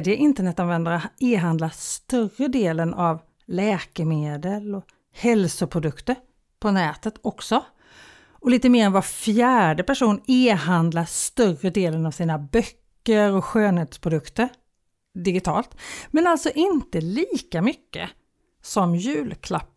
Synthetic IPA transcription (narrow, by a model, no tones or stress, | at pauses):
d̪jəʔɪnt̪əɳɛt̪ːanvɛnd̪aɾaeːɦand̪last̪œrəd̪eːlənʔav | lɛːkəmeːd̪əlɔ | hɛlsʊpʰɾʊd̪ɵkt̪əɾ | pʰɔnɛːt̪ət̪ɔksɔ | ɔliːt̪əmeːɾɛnvafjæːɖəpæʂuːneːɦand̪last̪œrəd̪eːlənavsiːnabœkːəɾɔɧøːnheːt̪spʰɾʊd̪ɵkt̪əɾ | d̪ɪɡɪt̪ʰɑ̰ːlt̪mɛnalt̪sɔʔɪnt̪əliːkamʏkːə̰ | sɔmjʉ̟ːlkʰlapː